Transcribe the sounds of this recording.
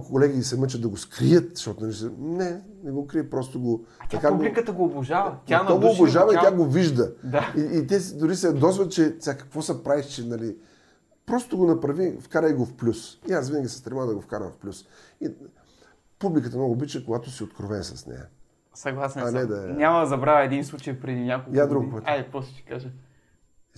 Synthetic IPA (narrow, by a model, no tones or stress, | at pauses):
kʊkolɛɡʲiisɛmət͡ʃət̪d̪ɐɡoskɾijət̪ʃt̪ɔt̪ʊnɐlisənɛ | nɛɡokɾiəpɾɔst̪oʊɡot̪ɐkaulikət̪əɡoːbʊʒavɐt̪aaɡoʊboʒavɐijaɡoviʒd̪əd̪aiːt̪ɛsd̪ʊɾisɛɐd̪ɔzvət͡ʃɛsʲakɐ̥kvɔsɐpɾaviʃt͡ʃɛnɐli | pɾɔst̪oɡonɐpɾɐvifkaɾəjɡofplʲusiasvinəɡʲisɛ̥st̪ɾʲɛmavd̪ɐɡofkaɾə̰mfplʲusi | publʲikət̪ənɔɡoːbit͡ʃɛkoɡat̪ʊsiot̪kɾovɛnsɐsnɛ̰jə̰ | sɐɡlˠasnanɛd̪anʲamɐd̪ɐzɐbɾavɐɛd̪inslˠut͡ʃəjpɾɛd̪inʲakolˠkad̪ɾuɡpɛt̪pɾɔst̪t͡ʃi̥kaʒə